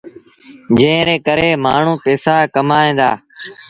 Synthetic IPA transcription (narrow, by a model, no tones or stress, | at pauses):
d͡ʒẽːɾeːkəɾeːmaːɳ̤ũːpɛːsaːkəmaːẽːd̪a̰ː